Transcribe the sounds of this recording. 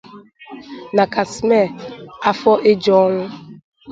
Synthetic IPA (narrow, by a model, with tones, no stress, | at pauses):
na˨ka˨sme˦˨a˦fɔ˦ʔe˦d͡ʒɔ˦ŋʷʊ˦